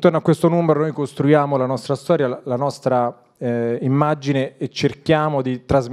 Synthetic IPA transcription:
t̪ornoakːwest̪onuːmeɾonojkost̪ɾujaːmolanɔst̪ɾast̪ɔːɾjalanɔst̪ɾa | imːad͡ʒineet͡ʃːerkjaːmod̪it̪ɾaz

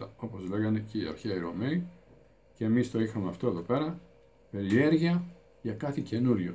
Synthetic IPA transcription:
ɐo̞po̞zle̞ɣɐne̞ceiɐ̰ɾçeɐiɾo̞mei | ceːmist̪o̞ixɐmeɐft̪oe̞ðo̞pe̞ɾɐ | pe̞ɾie̞ɾʝiɐ | ʝɐkɐθice̞nuɾʝo

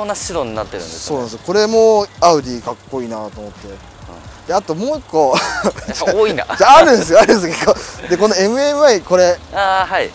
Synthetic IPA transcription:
onaɕid̪oɲ̟inat̪ːeɾɯ̟̰̃nesoo̞ːnansɨjoko̞ɾe̞moaɯ̟d̪ʲiːkakːo̞iːnat̪o̞mo̞t̪ːe̞ | d̪̥e̞at̪o̞mo̞ːikːo̞ | aoːina̰d͡ʑaːɾɯ̟nd̪esɨjoaɾɯ̟̃nesokekːod̪e̞ko̞noe̞mɯ̟e̞mɯ̟aiko̞ɾe̞aːhai

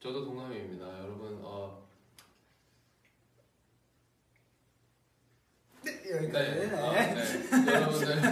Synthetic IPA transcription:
t͡ɕʌdotoŋameimɲidajʌɾʌbɯnʌ | ʌnenenejʌɾʌbɯne

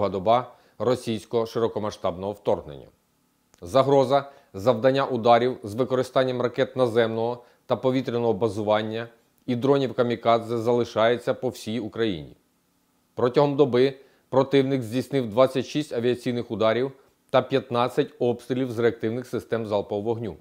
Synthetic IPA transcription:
ɦɐd̪ɔbɑ | rɔsʲijsʲkɔɦɔʃɪɾɔkɔmɐʃt̪ɑbnɔɦɔwt̪ɔrɦnḛnʲːɐ̰ | zɐɦɾɔzɐ | zɐwd̪ɐnʲːaʔʊd̪ɑɾʲiwzʋɪkɔɾɪst̪ɑnʲːɐmrɐkɛt̪nɐzɛmnɔɦɔ | t̪ɐpɔʋʲit̪ɾʲenɔɦɔbɐzʊʋɑnʲːɐ | id̪ɾɔnʲiwkɐmʲikɑzɛzɐlˠɪʃɑjet͡sʲːɐpɔwsʲijukɾɐjḭnʲḭ | pɾɔtʲɐɦɔmd̪ɔbɪ | pɾɔt̪ɪwnɪkzʲdʲijsnɪwd̪ʋɑt͡sʲːɐtʲʃisʲtʲɐʋʲiɐt͡sʲijnɪxʊd̪ɑɾʲiw | t̪ɐpʲjɐt̪nɑt͡sʲːɐtʲɔbst̪ɾʲɪlʲiwzɾeɐk̚t̪ɪwnɪxsɪst̪ɛmzɑlˠpɔʋɔɦnʲu

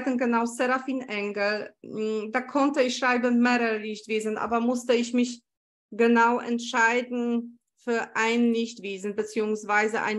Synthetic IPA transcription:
ɡənɡənaʊsɛʁafiːnʔɛŋɡl | daːkʰɔntəɪçʃʁ̥aɪbəmeːʁəʁəlɪçtv̥eːzn̩ʔa̰ːbɐmʊstəɪçmɪç | ɡ̥ənaʊʔɛ̰ntʃaɪdn̩ | fyːɐʔaɪnlɪçtv̥eːzn̩bət͡siːʊŋsv̥aɪzəʔa̰ɪn

